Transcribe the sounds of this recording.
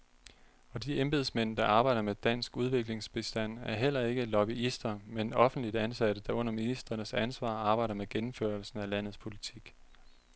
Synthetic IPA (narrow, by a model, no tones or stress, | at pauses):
ɒ̽d̥iemb̥e̝ð̞ˠsmen̰d̥ɑ̈ʔɑ̈ːb̥ɑ̈ɪ̰ɾ̥ɐmed̥æn̰sɡ̥uð̞ˠʋe̝ɡ̥le̝ŋsb̥e̝sd̥æn̰æɐɦel̰ɐe̝ɡ̥əlɒ̽b̥iisd̥ɐmenɒ̽fn̩d̥lid̥ænsæɾ̥əd̥ɑ̈ɔ̽n̰ɐminisd̥ʁɐnəsænsʋɑ̰̈ːɑ̈ːb̥ɑ̈ɪɾ̥ɐmeɡ̥enm̩føɐlsn̩ælæn̰ð̩ˠspʰo̝lit͡sʰiɡ̥